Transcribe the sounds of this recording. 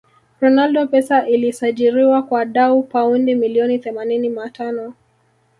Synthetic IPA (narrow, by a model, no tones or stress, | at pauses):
ɾɔnaldɔpɛsaʔilisaʄiɾiwakwaɗaupaundimiliɔniθɛmanininatanɔ